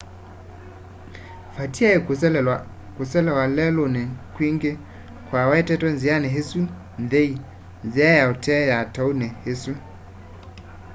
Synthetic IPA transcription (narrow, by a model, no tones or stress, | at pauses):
fatiaɛk | kusɛlɛwalɛlonɛkwiŋɡe | kwawɛtɛtɔnzianɛɦesu | nðei | nziajaotʰɛjataunɛhesu